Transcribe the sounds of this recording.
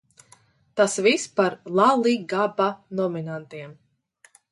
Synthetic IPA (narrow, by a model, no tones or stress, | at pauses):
t̪asvispaɾlˠalˠiɡabanɔminant̪iɛm